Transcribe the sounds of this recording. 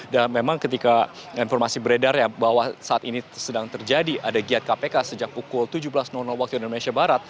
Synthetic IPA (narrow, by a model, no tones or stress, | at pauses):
damemaŋkət̪ikainfɔrmasibəɾedarjabaɦwasaːt̪inisədaŋt̪ərd͡ʒadiʔadaɡiat̪̚kapekasəd͡ʒak̚pukʊlt̪ud͡ʒubəlasnɔnɔlwak̚t̪uindomnesiabaɾat̪̚